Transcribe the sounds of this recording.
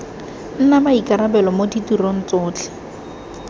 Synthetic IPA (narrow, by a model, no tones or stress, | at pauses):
n̩namaikʼaɾabɛlɔmoditurɔn̩t͡sʊːt͡ɬʰɛ̥